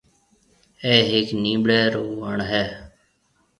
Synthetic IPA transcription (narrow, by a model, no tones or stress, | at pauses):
ɛːɦɪknĩːbɽɛːɾoːʋəɳɦɛː